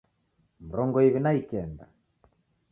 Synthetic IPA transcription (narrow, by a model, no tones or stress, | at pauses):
m̩ɾɔŋɡɔiβinaikɛnda̰